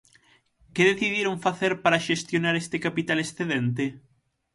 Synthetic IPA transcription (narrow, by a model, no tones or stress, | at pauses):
keðeθiðjeɾoɱfaθeɾpaɾaʃest̪jonaɾest̪ekapit̪alesθeðẽnt̪e